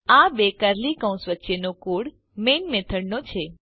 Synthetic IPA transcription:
abekəɾlikə̃w̃sʋətːʃenokuɽ | menmet̪ʰəɽnot͡ʃʰe

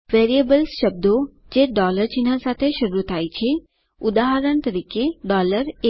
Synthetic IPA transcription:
ʋeːɾiəbəlsʃɐb̚d̪o | d͡ʒeːɖɔːləɾd͡ʒɪnãsaːt̪ʰeʃɐɾuət̪aːit͡ʃʰi | ʊd̪aːɦəɾəɳ̃t̪ɐɾiːkeɖɔːləɾe

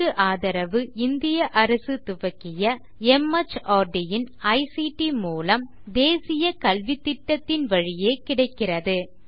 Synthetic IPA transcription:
ɯʔaːðɐɾɐʋɯɪnd̪ɪjɐʔɐɾɐsɯt̪ʊʋɐkːɪjɐ | ɛmɐt͡ʃaːɾɖɪjɪnɐɪsiʈimuːlɐm | d̪eːsɪjɐkɐlʋɪt̪ːɪʈːɐt̪ːɪnʋɐɻɪjeːkɪɽɐɪkːɪrɐðɯ

